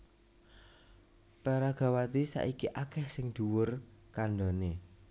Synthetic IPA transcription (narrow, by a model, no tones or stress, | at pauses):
paɾaɡ̥a̤wat̪isa̰ʔikiʔakɛhsɪŋd̪̥ṳwʊrkaɳɖɔne